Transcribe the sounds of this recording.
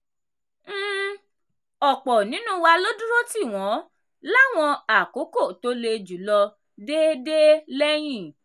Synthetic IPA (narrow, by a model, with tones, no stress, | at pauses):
ɔ˨k͡pɔ˨nĩ˨˦nũ˦wa˧lo˦du˦ɾo˦ti˦˨w̃ɔ̃˨˦ | la˦˨w̃ɔ̃˧a˨ko˨˦ko˦˨to˨˦le˧d͡ʒu˨˦lɔ˧ | de˦de˦lɛ˦j̃ĩ˦˨